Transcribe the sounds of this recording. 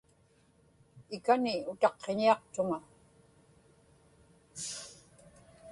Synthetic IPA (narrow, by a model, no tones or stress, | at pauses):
ɪkanɪʊt̪ɑqːeɲiɑqt̪ʊŋa